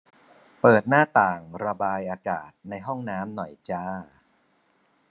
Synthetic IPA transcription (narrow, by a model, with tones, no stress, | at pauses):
pɤː˨˩t̪̚naː˥˩t̪aː˨˩ŋɾa˧baː˧jʔaː˧ka̰ː˨˩t̪̚na˧jɦɔ˥˩ŋnaː˦˥mnɔ˨˩jt͡ɕaː˥˩